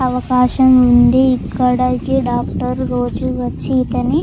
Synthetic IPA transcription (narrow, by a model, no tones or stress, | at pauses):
ɐʋɐkaːʃɐmund̪iːkːɐɽɐkiɖaːkʈɐɾːoːd͡ʒuʋɐt͡ʃːiːt̪ɐni